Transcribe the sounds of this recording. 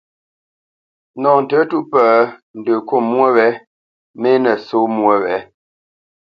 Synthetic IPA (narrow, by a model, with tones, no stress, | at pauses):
nɔ˨n̩˨tə˨˦tu˦ʔpə˨n̩˨də˨ko˦˨mwə˦wɛ˨˦ | me˦nə˨so˦mwə˦wɛ˨˦